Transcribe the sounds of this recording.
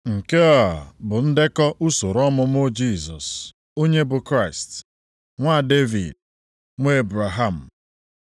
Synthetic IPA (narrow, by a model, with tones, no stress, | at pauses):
ŋ̩˨ke˦ɔ˨bʊ˨n̩˦dɪ˦kɔ˦ʔu˦so˨ɾɔ˦mʊ˦m˦ʊ˦d͡ʒi˦˨zɔ˨s | o˦ɲe˦bʊ˨kɾa˦˨ɪ˨st | ŋʷa˦˨de˦vḭ˨d̚ | ŋʷ˦e˦bɾa˨ɦa˨m̩˨